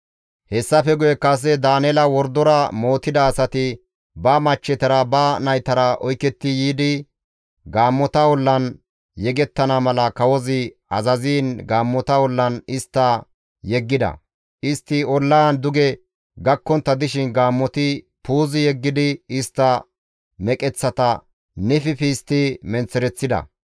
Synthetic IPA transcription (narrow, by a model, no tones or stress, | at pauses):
hɛsːɐfɛɡʊjɛkɐs̬ɛd̪aːnɛlɐwɔɾd̪ɔɾɐmoːt̪ːɪd̪ɐːsɐt̪ɪ | bɐmɐt͡ʃːɛt̪ɐɾɐbɐnɐjt̪ɐɾɐʔɔjkːɛt̪ːɪjiːd̪ɪ | ɡaːmːɔt̪ɐwɔlːɐn | jɛɡɛt̪ːɐnɐmɐlɐkɐwɔzɪ | ɐzɐziːnɡaːmːɔt̪ɐwɔlːɐnɪst̪ːɐ | jɛɡːɪd̪ɐ̰ | ʔɪst̪ːɪɔlːɐɐnd̪ʊɡɛ | ɡɐkːɔnt̪ːɐd̪ɪʃɪnɡaːmːɔt̪ɪ | puːzɪjɛɡːɪd̪ɪɪst̪ːɐ | mɛkʼɛt͡sːɐt̪ɐ | nɛfɪfiːst̪ːɪmɛnt͡sːɛɾɛt͡sːɪd̪ɐ̰